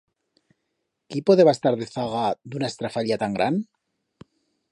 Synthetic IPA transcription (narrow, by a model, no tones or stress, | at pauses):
kipoðeβaest̪aɾðeθaɣad̪unaest̪ɾafaʎat̪aŋɡɾʔan